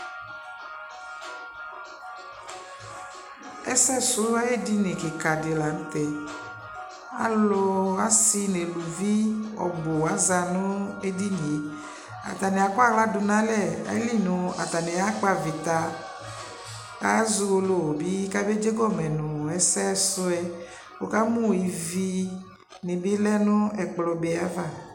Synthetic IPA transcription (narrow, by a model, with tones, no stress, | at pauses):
ɛ˦sɛ˦sʊ˨˦a˦je˦di˦ne˨ke˨ka˨de˨la˨n̩˦t̪ɛ˨ | a̰˦lo˧a˦si˧ne˨lu˨vi˦ɔ̰˨bo˨a˨˦za˧nʊ̃˦e˦di˦n˨e˨˦ | a̰˨t̪a˨nɛ˨a˨k͡pa˦ɣla˦du˨nã˦lɛ˦˨a̰˨˦li˦˨nʊ̃˨a̰˨t̪a˨nɛ̃˨ja˦k͡pa˨vi˨t̪a˨ | ka˦zu˧wo˨lo˨bi˦ka˦be˦d͡ʒe˦ɡɔ˦mɛ˨nʊ̃˨ɛ˨sɛ˦sʊ˦ɛ˦ | wo˨ka˦mũ˦˨i˨vi˦ | nĩ˨bi˦lɛ˦nʊ̃˦ɛ˨k͡plɔ˨be˨a˦va˦˨